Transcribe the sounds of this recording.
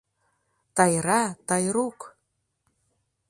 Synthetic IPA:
t̪ɑjɾɑt̪ɑjɾuk

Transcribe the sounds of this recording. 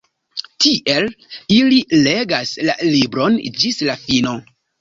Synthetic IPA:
tiʔe̞lilile̞ɡaslalibɾo̞nd͡ʒislafino̞

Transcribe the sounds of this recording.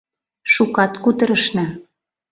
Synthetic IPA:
ʃukɑt̪kut̪ɤ̆ɾə̆ʃnɑ

